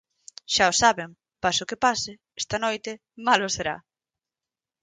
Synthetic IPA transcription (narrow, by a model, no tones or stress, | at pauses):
ʃaʊsaβem | pasʊkɪpasɪ | ɛst̪ɐnojt̪ɪ | malʊseɾa̰